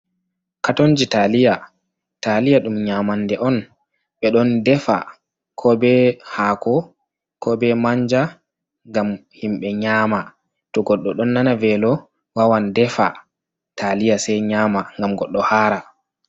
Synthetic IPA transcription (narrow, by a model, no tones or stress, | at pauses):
katond͡ʒitalija | talijaɗumɲamandɛʔɔn | ɓɛɗɔndɛfa̰ | kʰɔbɛhaːkɔ | kɔbɛmaɲd͡ʒa | ŋɡamhimɓɛɲaːma | tɔɡɔɗːɔɗɔnːanavɛlɔ | wawandɛfa̰ | tʰalijasɛjɲaːmaŋɡamɡɔɗːɔhaːɾa